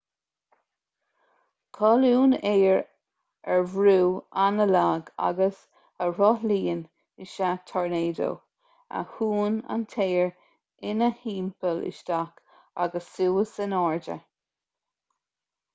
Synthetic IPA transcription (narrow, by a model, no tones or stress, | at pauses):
kʰɔluːneːɹ | ɛɹvɾuːanəlaːɡa̰ɡəs | əɹɔliːən | ɪʃat̪ʰɔɹneːdo̰w | ə̰huːna̰nt̪ʰeːəɹ | ɪnəhiːmpəlɪ̰ʃd̪ak | a̰ɡəsːuːəsənɔːɹd͡ʒə̰